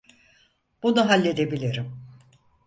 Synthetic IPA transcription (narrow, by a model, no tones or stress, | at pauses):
b̥unuɦalʲːe̞d̪e̞bilʲiɾim